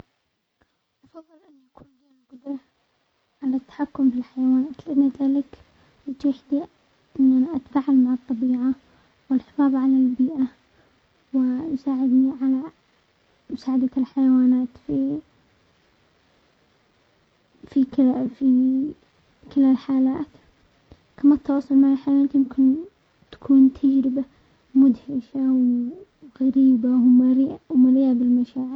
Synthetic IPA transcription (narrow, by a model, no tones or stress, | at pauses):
ʔɑfɑðˤːɨlʔɪnːiʔakuːnd͡ʒjaːlɡʊd̪ɾˤɑ | ʕalat̪ːḁħakːʊmfilħajawaːnaːt̪lɪʔanːaðaːlɪk | ʔɪt̪uːħd̪i | ʔɪnːanʔat̪faʕalmaʕɨt̪ˤːɑbiːʕa | wɪlħɪfɑːbʕalalbiːʔa | wɪjsaːʕɪd̪niʕala | mʊsaːʕɪd̪alħajawaːnaːt̪fi | fikɪfi | kɪlalħaːlaːt̪ | kʰamat̪ʰːɑwɑːsˤɑlmaʕalħajawaaːt̪jɪmkɪn | t̪ḁkʰuːnt̪ʰad͡ʒɾɪba | mʊd̪hɪʃaw | ɣaɾiːbamaɾiʔmaɾijabɪlmaʃaːʕɪɾ